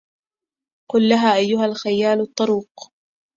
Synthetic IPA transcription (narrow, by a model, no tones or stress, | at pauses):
qʊlːaɦaːʔajːʊɦalxajaːlt̪ˤːɑɾuːq